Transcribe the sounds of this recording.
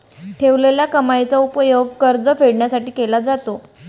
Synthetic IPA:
ʈʰeʋleljakəmajt͡saupəjoɡ̚kəɾd͡zəfeɽɳjasaʈiːkelad͡zat̪o

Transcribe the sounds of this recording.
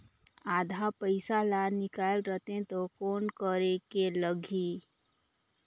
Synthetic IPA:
aːd̪ʱapəɪsalanɪkaːlɾət̪ẽt̪okoːnkəɾekeləɡʱi

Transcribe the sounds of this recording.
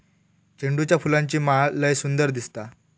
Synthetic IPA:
t͡ɕeɳɖut͡ɕjafulãɲt͡ɕiːmaləjsund̪əɾd̪ist̪a

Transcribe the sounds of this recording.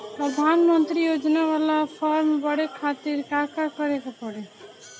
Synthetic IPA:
pɾəd̪ʱaːnmənt̪ɾijoːd͡ʒnaʋalapʰɔɾmbəɽekʰaːt̪iɾkaːkakəɾekapəɽe

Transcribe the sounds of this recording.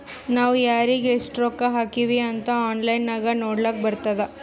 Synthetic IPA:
naːʋujaːɾiɡesʈɾoːkaɦaːkiʋiɐnt̪ɐaːnlɐjnːaːɡɐnoːɽlaːk̚bɐɾt̪ɐd̪e

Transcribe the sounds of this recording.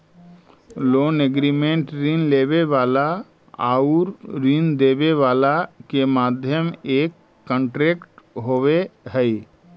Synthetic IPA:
loːneɡɾiːmẽɳʈɾinleːʋeʋaːla | a̰ːuɾɾind̪eːʋeʋaːlakemaːd̪ʱjəmeːkː | ə̃ɳʈɾeːkʈɦoweɦɛi

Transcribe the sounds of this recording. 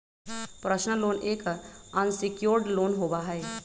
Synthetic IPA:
pɾəʃnəloːneːkənsikjoɾɖloːnɦobaɦɛe

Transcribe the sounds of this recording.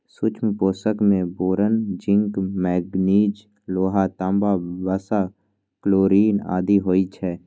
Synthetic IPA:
sʊt͡ʃʰmpoːsəkmẽboːɾənd͡ʒɪ̃ŋkmɛːɡniːd͡ʒ | loːɦat̪ãmbabəsa | kloːɾiːna̰ːd̪iɦoːit͡ʃʰɛː

